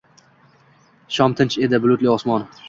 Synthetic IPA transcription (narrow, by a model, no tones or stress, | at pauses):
ʃɒmt̪ʰɪnt͡ʃed̪ɪbʊlˠʊt̪lɪɒsmɒn